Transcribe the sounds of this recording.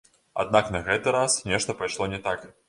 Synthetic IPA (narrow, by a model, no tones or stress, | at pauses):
a̰d̪̚naknɐɣɛt̪ɨɾasnʲɛʂt̪ɐpajʂlˠɔnʲɛt̪ak